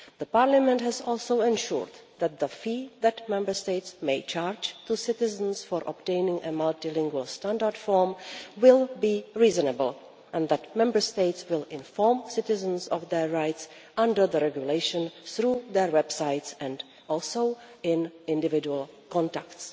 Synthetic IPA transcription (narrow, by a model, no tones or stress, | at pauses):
ðəpaɹlamɛ̃nthɛzɔːlˠsoʊɛ̃nʃṵɹd | ðæt̪̚ðəfiːðætmɛ̃mbə˞steɪtsmeɪt͡ʃaːɹd͡ʒt̪usɪtɪzə̃n̩sfɔɹʔɔp̚tẽɪnɪ̃ŋʔəmaltɪlɪ̃ŋɡwəlˠstãndaɹdfɔɹmwɪlˠbiːɹiːzənəbəlˠ | ʔɛ̃nðætmɛ̃mbə˞steɪtswɪlɪ̃nfɔɹmsɪtɪzə̃nsɔfðɛɹːaɪtsʔãndə˞ðəɾɛɡjuleɪʃə̃nθɾuːðɛɹwɛbsaɪtsɛ̃nd | ʔɔlˠsoʊ | ɪ̃nɪ̃ndɪvɪd͡ʒuəlˠkɔ̃ntækts